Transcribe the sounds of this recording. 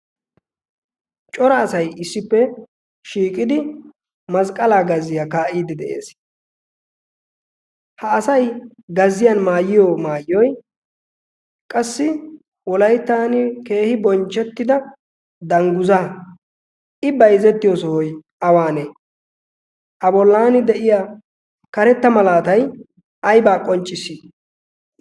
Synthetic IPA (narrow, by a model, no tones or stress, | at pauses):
t͡ʃʼɔɾɐːsɐjɪsːɪpːɛ | ʃiːkʼɪd̪ɪ | mɐskʼɐlaːɡɐzɪjakaːʔiːd̪ɪd̪ɛʔḛːs | hɐːsɐj | ɡɐzɪjanmaːjɪjɔmaːjɔj | kʼɐsːɪ | wɔlɐjt̪ːaːnɪke̞ːhɪbɔnt͡ʃʼːɛt̪ːɪd̪ɐ | d̪ɐŋɡʊzaː | ʔɪbɐjzɛt̪ːɪjɔːsɔhɔj | ɐwaːneː | ʔɐbɔlːaːnɪd̪ɛʔɪja | kɐɾɛt̪ːɐmɐlaːt̪ɐj | ʔɐjbaːkʼɔnt͡ʃʼːɪsiː